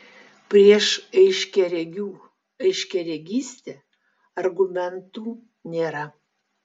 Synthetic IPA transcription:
pʲɾʲiɛʃɛɪʃʲkʲɛɾʲɛɡʲuː | ɛɪʃʲkʲɛɾʲeɡʲiːsʲt̪ʲe | ɐrɡʊmʲɛnt̪uː | nʲeːɾɐ

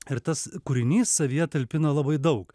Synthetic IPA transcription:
ɪɾt̪ɐskʊɾʲɪnʲiːsːɐʋʲijɛt̪ɐlʲpʲɪnɐlˠɐbɐɪd̪ɐʊk

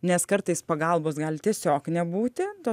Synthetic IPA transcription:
nʲɛskɐɾt̪ɐɪspɐɡɐlˠboːsɡɐlʲt̪ʲiɛsʲoːknʲɛbuːt̪ʲɪt̪oː

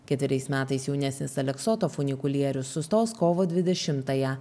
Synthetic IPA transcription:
kʲɛt̪ʲʋʲɪɾʲɛɪsmʲæːt̪ɐɪsjɛʊnʲɛsʲnʲɪsɐlʲɛksoːt̪oːfʊnʲɪkʊlʲiɛɾʲʊsːʊst̪oːskoːʋoːd̪ʲʋʲɪd̪ʲɛʃʲɪmt̪ɐjɛ

